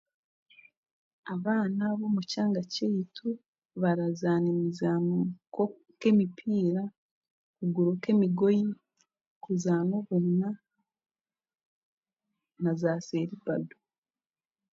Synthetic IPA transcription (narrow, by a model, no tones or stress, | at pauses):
aβaːnaβo̞mucaːŋɡacejitʰu | βaɾazaːnemizamoko | ke̞mipʰiːɾa | kuɡuɾokemiɡoji | kuzaːnoβuna | nazaːseɾipadu̥